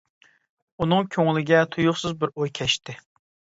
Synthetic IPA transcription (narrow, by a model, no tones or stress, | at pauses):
unɨŋkʲʰøŋlɪɡʲɛt̪ʰujʊχsɨzbɪɾojkʲʰɛʃt̪ɪ